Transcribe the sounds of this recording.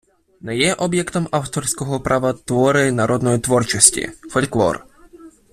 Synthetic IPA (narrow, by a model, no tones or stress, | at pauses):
nɛjɛʔɔbjɛkt̪ɔmawt̪ɔrsʲkɔɦɔpɾʔaʋɐt̪ʋɔɾɪnɐɾʔɔd̪nɔjit̪ʋɔrt͡ʃɔsʲtʲḭfɔlʲklˠɔ̰r